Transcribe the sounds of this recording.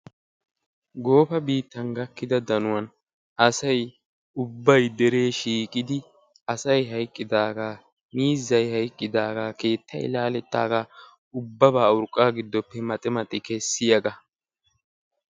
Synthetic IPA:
ɡo̞ːfɐbiːt̪ːɐnɡɐkːɪd̪ɐd̪ɐnʊwɐn | ʔɐsɐj | ʊbːɐjd̪ɛɾe̞ːʃiːkʼɪd̪ɪ | ɐsɐjɦɐjkʼːɪd̪aːɡaː | miːzːɐjhɐjkʼːɪd̪aːɡaːke̞ːt̪ːɐ̰jlaːlɛt̪ːa̰ːɡaː | ʊbːɐbaːʊɾkʼːaːɡɪd̪ːɔpːɛmɐt̪ʼɪmɐt̪ʼːɪkɛsːɪjɐɡɐ

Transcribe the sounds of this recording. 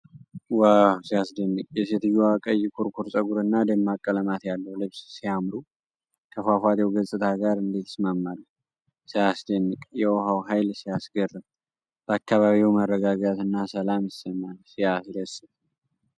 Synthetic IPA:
wawsijasd̪ənːɨkʼjɛset̪ɨjːuakʼəjːkʰuɾkʰuɾsʼəɡuɾɨnːad̪əmːakʼːələmat̪jalːəwlɨβssiamɾu | kʰəfafat̪ɛwɡəzʼɨt̪ʰaɡaɾɨnd̪e̞t̪ʰɪ̥smamːalː | sijasd̪ənːɨkʼjɛwɦawɦajlsijasɡərːɨm | b̥əakːaβaβiwmərːəɡaɡat̪ɨnːasəlamjɪsːəmːalsijasd̪əsːɨb

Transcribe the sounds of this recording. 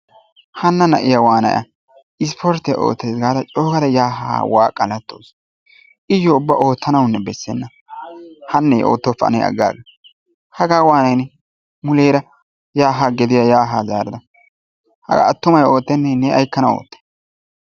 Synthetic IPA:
hɐnːɐnɐʔɪjɐwaːnɐ̰jɐ̰ | ɪs̬pʰɔɾt̪ːɪj̰ʔo̰ːt̪ːeːsɡaːd̪ɐt͡ʃʼoːkɐd̪ɐjaːɦa̰ːwa̰ːkʼːɐlɐt̪ːo̰ːs | ʔɪjːɔʊbːɐʔo̞ːt̪ʰːɐnɐwnːɛbɛsːɛnːɐ | hɐnːɛjʔo̰ːt̪ːɔfɐ̰nɛ̰jɐ̰ɡːa̰ːɡɐ | hɐɡaːwaːnɐjnɛ | mʊleːɾɐ | jaːɦaɡɛd̪ɪjajaːɦaːzaːɾɪd̪ɐ | hɐ̰ɡa̰ːt̪ːʊmɐjo̞ːt̪ːɛnːɛnɛɐjkːɐnɐo̰ːt̪ːɛ̥

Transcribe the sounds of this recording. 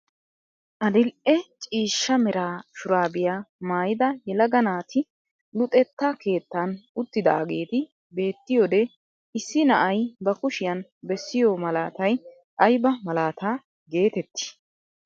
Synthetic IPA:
ʔɐd̪ɪlʔɛt͡ʃʼiːʃːɐmɛɾaːʃʊɾaːbɪjaːmaːjɪd̪ɐjɛlɐɡɐnaːt̪ʰɪ | lʊt̪ʼɛt̪ːɐke̞ːt̪ːanʊt̪ːɪd̪ɐ̰ːɡe̞ːt̪ɪ | be̞ːt̪ːɪjoːd̪ɛ | ɪsːɪnɐʔɐjbɐkʊʃɪjɐnbɛsːɪjoːmɐlaːt̪ɐj | ʔɐjbɐmɐlaːt̪aː | ɡe̞ːt̪ɛt̪ːɪ̥

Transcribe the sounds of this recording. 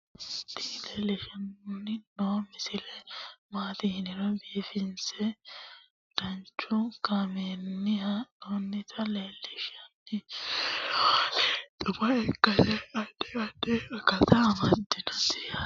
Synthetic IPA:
t̪ɪleːlɪʃɐnnːɪnoːmɪsɪlɛmaːt̪ɪhɪnɪɾɔbiːfɪnsɛ | d̪̥ɐnt͡ʃːʊɡɐmeːnːɪhɐʔoːnːɪt̪ʰɐleːlːɪʃɐnːɪ | ᶑʊbɐɛɡɐlɛɐᶑɛɐᶑɛɐkɐt̪ɐːmɐd̪ːɪnɐtɪ̥ɐ

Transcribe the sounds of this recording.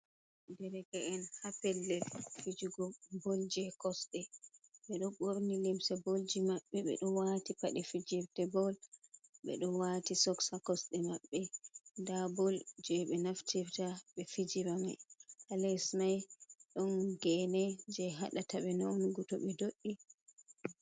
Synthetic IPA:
dɛɾɛkaɛnhapɛlːɛlfid͡ʒuɡɔbold͡ʒɛkɔsɗɛɓɛɗɔɡoɾnilimsɛbold͡ʒimaɓːɛɓɛ̰ɗɔwatipaɗifid͡ʒiɾtɛbɔlɓɛ̰ɗɔwatisɔksakɔsɗɛmaɓːɛndabɔld͡ʒɛɓɛnaftiɾtaɓɛfid͡ʒiɾaŋɛhalɛsmajɗɔnɡɛnɛd͡ʒɛɦaɗataɓɛnawnɡutɔɓɛdoɗːi

